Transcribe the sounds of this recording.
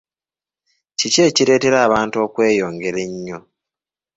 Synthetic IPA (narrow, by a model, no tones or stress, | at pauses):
cice̞ːciɾe̞ːte̞ɾaːβaːnto̞ːkwe̞ːjo̞ːŋɡe̞ɾe̞ɲːo